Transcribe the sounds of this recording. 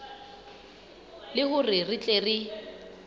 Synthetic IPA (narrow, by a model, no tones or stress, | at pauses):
lɪhʊrɪrɪt͡ɬʼerɪ